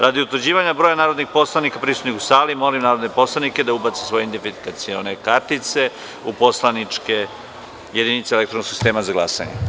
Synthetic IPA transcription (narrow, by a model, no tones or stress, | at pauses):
ɾad̪iut̪ʋəɾd͡ʑiːʋaɲabɾojanaːɾod̪nixpo̞slˠanikapɾisut̪nikusaːlimo̞limnaːɾod̪ne̞po̞slˠaniked̪aubat̪sesʋo̞jeind̪efiikat̪sionekaɾt̪it̪se̞ | upo̞slˠanit͡ʂke | je̞d̪init̪seelekt̪ɾonoksi̥st̪e̞ːmazaɡlˠasa̰ɲḛ